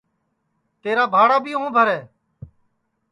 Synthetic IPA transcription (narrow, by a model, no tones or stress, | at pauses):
t̪eːɾaːbʱaːɽaːbʱiːɦũːbʱəɾɛː